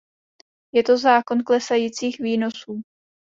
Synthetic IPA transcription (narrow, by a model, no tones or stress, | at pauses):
jɛt̪o̞zaːko̞nklɛsajiːt͡siːxviːno̞suː